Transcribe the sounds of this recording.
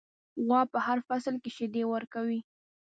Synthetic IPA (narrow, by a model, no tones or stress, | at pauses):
ɣɑpəhaɾfasəlkeʃɪd̪ewəɾkawi